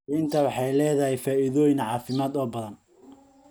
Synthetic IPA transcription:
int̪ʰɐwɑħɑjlɛːðɐɦɛjfaːʔɪðɔːjɪnʕɑːfɪmaːd̪ɔːbɐðɐn

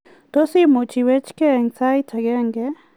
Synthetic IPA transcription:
t̪osimot͡ʃiwet͡ʃkeːŋt͡sajt̪ʰaɡeŋɡe

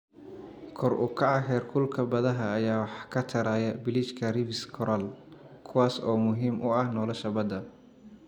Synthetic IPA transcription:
kʰɔrʔʊ̰kʰɑʕɑɦɛːrkʰʊlkʰɐbɐðɐɦɐːjaːwħkʰɐt̪ʰɐɾaːjɐbɪlɪt͡ʃkʰɐrɪvɪskʰɔɾɐl | kʰʊwaːsɔːmʊɦiːmʔʊɐhnɔːlɔʃɐbɐd̪ɐ

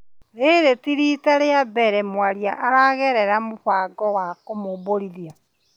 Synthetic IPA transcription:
ɾeɾetiɾitaɾeabɛɾɛmwaɾiaʔaɾaɣɛɾɛɾamoɸaɡɔwakomoβoɾiɾja

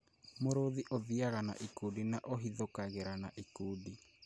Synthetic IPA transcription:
moɾoðiʔoðiaɣana̰ʔikudinaʔoɦiðokaɣeɾanaʔikudi

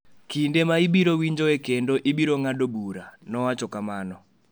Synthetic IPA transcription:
kindemaibiɾowiɲd͡ʒɔekendoʔibiɾoŋadobuɾanɔwat͡ʃɔkamanɔ

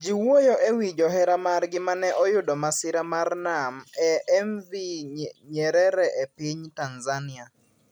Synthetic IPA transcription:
d͡ʒiwojɔʔewid͡ʒɔɦɛɾamarɡɪmanɛʔɔjʊdɔmasɪɾamarnamɛɛmviɲɛɾɛɾɛʔepiɲtanzanɪa

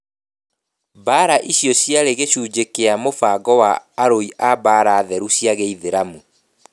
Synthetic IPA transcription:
baːɾaʔiɕjɔɕjaɾeɣeɕuːd͡ʑekeamofaɡɔwaːɾoiʔabaːɾaːðɛɾuɕjaɣeiðeɾamu

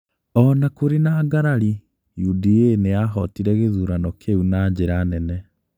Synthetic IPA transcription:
ɔnakoɾenaːɡaɾaɾi | judieneaɦɔtiɾɛɣeðuɾanɔkʰeunaɲɟeɾanɛnɛ

